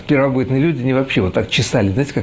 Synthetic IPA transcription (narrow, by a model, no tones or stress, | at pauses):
pʲɪrvɐbɨt̪nɨjəlʲudʲɪɐnʲivɐpɕːevot̪ːakt͡ɕɪsalʲɪznajɪtʲɪka